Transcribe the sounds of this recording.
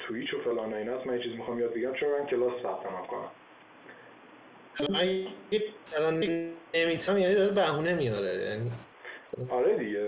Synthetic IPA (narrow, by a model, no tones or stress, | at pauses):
t̪ʰuit͡ʃʰofelɒːnɒjinæsmænjet͡ʃʰizimixɒmːijɒːd̪̚beɟæmt͡ʃʰeɾamkʰelɒːssæp̚t̪ʰæmamkʰo̰næ̰m | ʔalɒmænjjeælɒnːeemit̪ʰæmjænid̪ɒɾebæɦuːnemijɒɾḛjæ̰ni | ɒɾed̪iɟe